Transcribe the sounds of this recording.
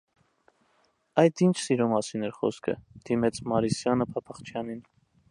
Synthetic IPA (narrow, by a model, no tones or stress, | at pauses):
ɑjd̪int͡ʃʰsiɾɔmɑsinɛɾχɔ̰skʰə̰d̪̥imɛt͡sʰmɑɾisjɑnəpʰɑpʰɑχt͡ʃʰjɑnin